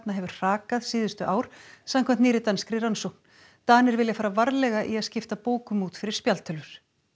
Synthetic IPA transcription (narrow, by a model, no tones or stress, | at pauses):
t̪naɦɛvʏɾ̥r̥aːkaðsiːðʏst̪ʏʔaːwɾ̥samkʰɛmt̪niːɾɪt̪anskɾiɾansowk̚n̥ | t̪aːnɪɾvɪljafaːɾavaɾlɛɣaʔiaðscɪft̪apoːwkʏmuːt̪fɪɾɪɾ̥spjalt̪ʰʏlʏɾ̥